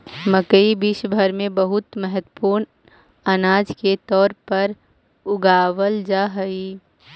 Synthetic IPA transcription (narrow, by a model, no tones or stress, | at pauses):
məkəibiʃbʱəɾmẽbəɦʊt̪mɛɦət̪əpuːɾn | anaːd͡ʒket̪ɔːɾpɐɾ | ʊɡaːʋəld͡ʒaːɦəi